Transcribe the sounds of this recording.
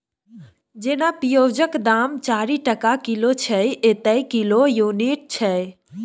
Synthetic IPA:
d͡ʒenapijod͡ʒəkd̪amt͡ʃaɾiʈəkakilot͡ʃʰəet̪əjkilojuniʈ̚t͡ʃʰə

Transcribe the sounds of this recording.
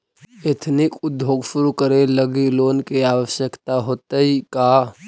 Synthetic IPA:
et̪ʰnɪkʊd̪jʱoːɡʃʊɾukəɾeləɡiloːnkiaːwəʃjəkt̪aɦoːt̪əɦikaː

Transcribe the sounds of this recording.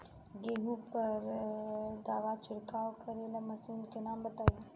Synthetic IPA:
ɡeːɦupəɾ | d̪aːʋat͡ʃʰʊɽkaːokəɾelamɐsuːnkenaːmbət̪aːi

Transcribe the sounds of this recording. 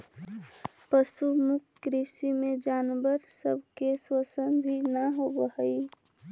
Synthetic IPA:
pəʃumʊkːɾisimẽd͡ʒaːnbəɾsəbʱkeswəsənbʱinəɦobəhəi

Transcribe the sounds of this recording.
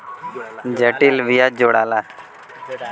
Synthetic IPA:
d͡ʒəʈilʋijaːd͡ʒoːɽaːlaː

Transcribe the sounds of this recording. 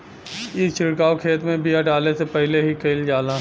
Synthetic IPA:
it͡ʃʰɪɽkaːokʰeːt̪mẽbiaʈaːlesepɛɦleɦikeɪld͡ʒaːlãː

